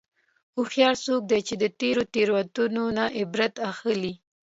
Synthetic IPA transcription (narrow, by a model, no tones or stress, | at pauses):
uxjɑɽsok̚d̪et͡ʃed̪ət̪eɾot̪eɾwat̪unonaʔɪbɾat̪axəli